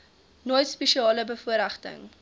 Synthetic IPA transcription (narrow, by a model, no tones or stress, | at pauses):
nojtspɛʃiɑːləbəfuəɾæχtə̰ŋ